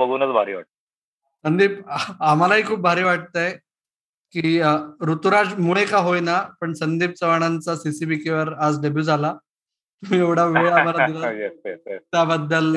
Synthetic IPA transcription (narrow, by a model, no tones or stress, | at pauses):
bəɡʱuːnət͡sbʱaɾiːʋa̰ʈ̚t̪ | sənd̪iːpam̤alaɦiːkʰuːp̚bʱaɾiːʋaʈ̚t̪aj | kiːɾut̪uɾad͡zmuɭekaɦojnapəɳsənd̪iːp̚t͡səʋaɽ̃ant͡sasisibikeʋəɾad͡zɖəbjuːd͡zʱala | t̪um̤iːeʋɽ̤aʋijam̤alad̪iɾajɛɛt̪jabəd̪ːəl